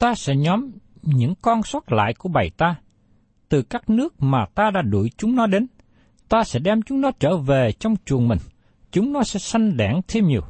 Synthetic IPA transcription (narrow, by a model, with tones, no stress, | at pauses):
t̪aː˧sɛ̰˧˥ɲɔ˨˦m | ɲɨ̰˧˥ŋkɔ˧nsə˦˥t̚la̰ː˧˨jku˧˩əɓa˨˩jt̪aː˧ | t̪ɨ˨˩kaː˦˥k̚nɨ˦˥ək̚maː˨˩t̪aː˧ɗa̰ː˧˥ɗu˧˩jt͡ɕʊ˨˦ŋ͡mnɔ˨˦ɗe˨˦n | t̪aː˧sɛ̰˧˥ɗɛ˧mt͡ɕʊ˨˦ŋ͡mnɔ˨˦t͡ɕəː˧˩ve˨˩t͡ɕɔ˧wŋ͡mt͡ɕu˨˩ənmï˨˩ŋ̟ | t͡ɕʊ˨˦ŋ͡mnɔ˨˦sɛ̰˧˥sa˧jŋ̟ɗaː˧˩ŋt̪ʰe˧mɲi˨˩əw